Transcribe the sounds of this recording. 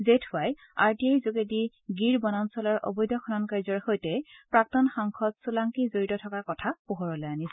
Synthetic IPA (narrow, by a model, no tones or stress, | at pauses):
zetʰʊaj | aɹtiejzukedi | ɡiɹbɔnansɔlɔɹʔɔ̰bɔjdʱɔkʰɔnɔnkaɹzɔɹxojtɛpɹak̚tɔnxaŋkʰɔtsulaŋkizoɹitɔtʰɔkaɹkɔtʰapoɦɔɹɔlɛjanis